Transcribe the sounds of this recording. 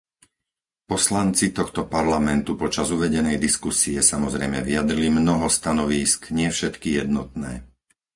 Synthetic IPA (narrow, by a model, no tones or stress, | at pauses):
pɔslant͡sit̪ɔxt̪ɔpaɾlamɛnt̪upɔt͡ʃazuʋɛɟɛnɛjd̪iskusiɛsamɔzɾɛjmɛʋiad̪ɾilimnɔɦɔst̪anɔʋiːskɲɪɛfʃɛt̪kijɛd̪nɔt̪̚nɛ̰ː